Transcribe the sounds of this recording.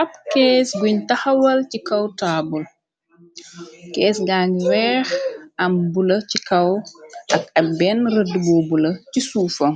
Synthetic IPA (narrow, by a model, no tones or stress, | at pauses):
ʔɐpkɛːsbuɲtɐhɐwɐlcikɐwtaːbul | kɛːsɡaŋɡwɛːxɐmbulɐcikɐwʔɐkɐbɛnrɐdubɔːbulɐcisuːfɔŋ